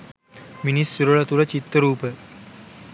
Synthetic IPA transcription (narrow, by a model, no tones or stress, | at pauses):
minisːuɾoɭɐt̪uɾɐt͡ɕit̪ːəɾuːpə